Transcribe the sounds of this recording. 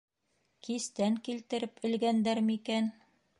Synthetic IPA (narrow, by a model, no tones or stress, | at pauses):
kist̪æŋkilt̪ɘ̆ɾɘpɘ̆lɡænd̪æɾmɘikæn